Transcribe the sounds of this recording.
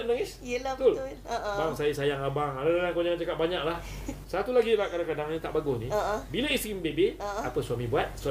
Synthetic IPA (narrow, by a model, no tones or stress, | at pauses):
am̚naŋisət̪ʊl | baŋsajisajaŋabaŋadadanankonaant͡ʃakat̪̚baɲaʔlah | sat̪ulaɡilakadaŋkadaŋnĩt̪aʔbaɡʊsnĩbilaist̪ɾimbebeapəsuamĩbuat̪̚sua